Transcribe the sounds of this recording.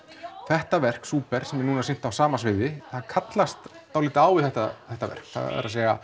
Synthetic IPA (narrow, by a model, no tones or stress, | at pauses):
θɛht̪avɛr̥ksuːpɛɾ̥sɛmɛɾnuːnasɪn̥t̪awsaːmasvɪðɪθankʰat̪last̪ːawlɪːt̪ɪaːwvɪðθɛht̪aθɛht̪ːavɛ̰r̥kθa̰ðɛ̰ɾa̰sɛːɣa